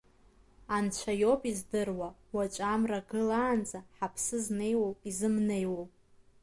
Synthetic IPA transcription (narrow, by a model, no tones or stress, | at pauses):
ant͡ɕʷʰajo̞pʼizdɨrwawat͡ʃʷʼamraɡɨlaːnd͡zaħapʰsɨzne̞jwowizɨmne̞jwow